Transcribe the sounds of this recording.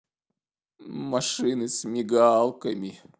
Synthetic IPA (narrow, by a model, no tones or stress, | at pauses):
mɐʂɨnɨsmʲɪɡalˠkəmʲɪ